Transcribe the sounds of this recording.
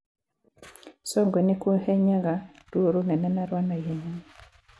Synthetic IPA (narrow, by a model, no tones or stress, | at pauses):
sɔŋɡwenikwohɛɲaɡa | duoɾunɛnɛnaɾwanajeɲan